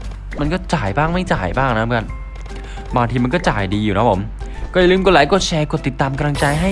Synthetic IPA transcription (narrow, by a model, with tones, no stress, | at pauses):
ma˧nkɔː˥˩t͡ɕaː˨˩jbaː˥˩ŋma˥˩jt͡ɕa̰ː˨˩jbaː˥˩ŋna˦˥˩a˧n | baː˧ŋt̪ʰiː˧ma˧nkɔː˥˩t͡ɕa̰ː˨˩jdiː˧juː˨˩na˦˥pʰo˩˦m | kɔː˥˩ja˨˩lɯː˦˥˩mko˧˩laː˨˦jkɔː˧˩t͡ɕʰɛː˧ko˧˨˩t̪i˨˩t̪ːaː˧mka˧la˧ŋt͡ɕa˧jɦa˥˩j